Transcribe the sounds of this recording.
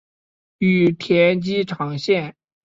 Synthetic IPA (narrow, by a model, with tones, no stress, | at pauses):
y˨˩t̪ʰjɛ˧˥nt͡ɕi˥ʈ͡ʂʰɑ˧˥ŋɕjɛ˥˩n